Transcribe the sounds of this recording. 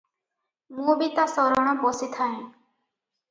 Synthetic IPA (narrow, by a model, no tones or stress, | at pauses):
mũbit̪asɔɾɔɽ̃ɔbɔsit̪ʰaẽ